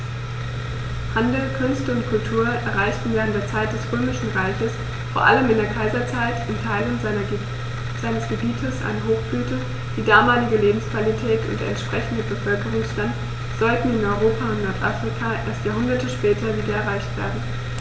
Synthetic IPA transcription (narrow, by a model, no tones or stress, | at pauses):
handl̩kʰʏnstəʊntkʰʊltʰuːɐʔɛɐʁaɪçtn̩vɛːʁəntd̥eːɐt͡saɪt̚d̥ɛsʁøːmɪʃn̩ʁaɪçəs | foːɐʔa̰ləmɪndeːɐkʰaɪzɐt͡saɪtɪntʰaɪlənɐ | z̥aɪnəsɡ̥əbiːtʰəsʔa̰ɪnəɦoːxb̥lyːtə | d̥iːdaːmaːlɪɡəleːbm̩skv̥alitʰɛːtʰʊ̰nd̰ɛ̰ntʃpʁ̥ɛçn̩dəbəfœlkəʁ̞ʊŋsʃtant | z̥ɔltn̩ɪnɔʏʁoːpʰaʊntnɔɐtʔa̰fʁ̥ikʰaːʔḛːɐstjaːɦʊndɐtəʃpɛːtʰɐviːdɐɛɐʁ̞aɪçtv̥ḛːɐdn̩